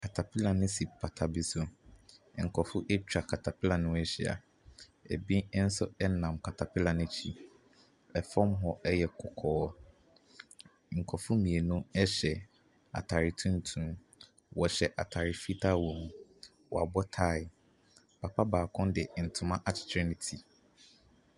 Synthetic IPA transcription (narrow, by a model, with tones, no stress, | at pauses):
kʰa˨tʰa˨pʰi˦la˨nʊ̃˦si˨pʰa˨tʰa˨bi˨so˨ | ŋ̩˨kʰɔ˨fʊ˦ʔɛ˦t͡ɕᶣa˨kʰa˨tʰa˨pʰɪ˦la˨nʊ̃˦ɛ˨ɕi˨a̰˨ | ɛ˨bĩ˦n̩˦sʊ˦ɛ˦nã˨mkʰa˨tʰa˨pʰɪ˦lã˨nʊ̃˦t͡ɕʰi˦ | ɛ˨fɔ̃˦mɦɔ˦ʔɛ˦jɛ˨kʰɔ˨kʰɔː˦ | ŋ̩˨kʰɔ˨fʊ˦mĩ˨e˨nʊ̃˦ɛ˦ɕɛ˨ | a̰˨tʰa˨ɾi˨tʰũ˦n˦tʰũ˦ | wɔ˨ɕɛ˨ʔa̰˨tʰa˨ɾɪ˨fi˦tʰa˦wõ˨m | wɔ˨a˨bɔ˦tʰa˦˨ | pʰa˨pʰa˦baː˨kʰɔ̃˦ndɪ˨n̩˨tʰʊ̃˨mã˦ʔa˨t͡ɕʰɪ̥˨tʰɾɪ˦nɪ̃˨tʰi˨